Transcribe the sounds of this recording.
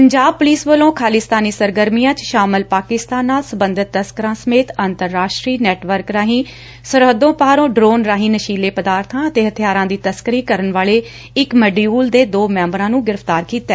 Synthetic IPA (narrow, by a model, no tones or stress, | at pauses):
pəɲd͡ʒaːb̚pʊliːsʋəlõːkʰaːliːst̪aːniːsəɾɡəɾmijãːt͡ʃʃaːmɪlpaːkɪst̪aːnːaːlsəbənd̪ɪt̪ːəskəɾãːsəmeːt̪ənt̪əɾːaːʃʈɾiːnɛːʈʋəɾkɾaːɦĩː | səɾɦəd̪õːpaːɾõːɖɾoːnɾaːɦĩːnəʃiːleːpəd̪aːɾt̪ʰãːət̪eːɦət̪ʰjaːɾãːd̪iːt̪əskəɾiːkəɾənʋaːleː | ɪkməɖiuːld̪eːd̪oːmɛ̃ːmbɾãːnũːɡɪɾəft̪aːɾkiːt̪ɛː